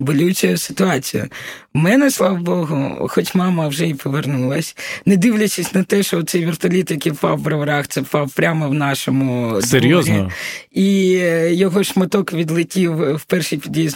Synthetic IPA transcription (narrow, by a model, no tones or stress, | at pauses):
bɔlʲut͡ʃʲɛjsɪ̥t̪ʊɑt͡sʲijʊ̰ | mɛnɛslˠɑʋɐbɔɦʊ̰xɔt͡ʃʲmɑmɐwʒɛipɔʋernulˠɐsʲnɛd̪ɪʋlʲɐt͡ʃɪsʲnɐt̪ɛʃɔɔt̪sɛjʋʲirt̪ɐlʲit̪jɐkiwpɑwːbɾɐʋɐɾɑxt̪sɛpɑwpɾʲamɐwnɑʃɔmʊsd̪eɾjɔzɾʲniijɔɦɔʃmɐt̪ɔkʋʲid̪lˠɪtʲiwwpɛrʃijpʲid̪ʋʲiz